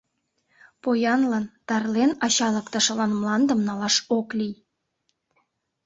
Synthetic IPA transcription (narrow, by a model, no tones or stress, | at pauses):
pojɑnlɑnt̪ɑrlenɑɕɑlə̆kt̪ə̆ʃə̆lɑnmlɑnd̪ə̆mnɑlɑʃoklij